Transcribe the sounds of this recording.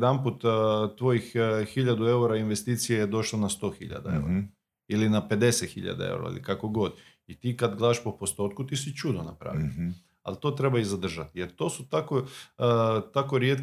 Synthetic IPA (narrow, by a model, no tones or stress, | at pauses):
d̪anput̪t̪ʋo̞jixxiʎad̪ue̞uɾainʋe̞st̪iːt̪sijejed̪o̞ʃlonast̪o̞xḭʎa̰d̪a̰ḛuɾa | ilinape̞d̪e̞set̪xiʎa̰d̪a̰ḛwɾa̰ḭlikako̞ɡo̞d̪ | it̪iːkad̪ɡlˠaaʃpo̞po̞st̪o̞t̪kut̪isit͡ʃud̪ona̰pɾa̰ːʋḭ | a̰lt̪o̞ːt̪ɾe̞baizad̪r̩ʒat̪jeɾt̪o̞sut̪ako | t̪akoɾje̞t̪